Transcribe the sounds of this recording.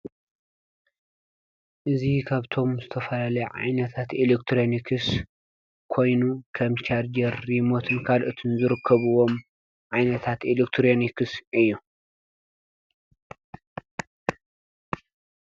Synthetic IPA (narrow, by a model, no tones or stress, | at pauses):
ʔɨzikʰaβt̪ʰo̞mzɨt̪ʰɐfɐlalɐjʕa̰jnɐt̪ʰat̪elekt̪ʰɾonikʰɨs | kʰo̞jnukʰɐmt͡ʃʰaɾd͡ʒɐɾːimo̞t̪ʰɨnkʰalʔɨt̪ʰɨnzɨɾɨkʰːɐβɨwo̞m | ʕajnɐt̪ʰat̪elekt̪ʰɾonikʰɨsʔɨjːu